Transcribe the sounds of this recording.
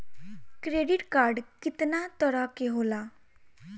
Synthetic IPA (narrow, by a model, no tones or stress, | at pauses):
kɾeɖiʈkaɾɖkit̪nat̪əɾakeɦola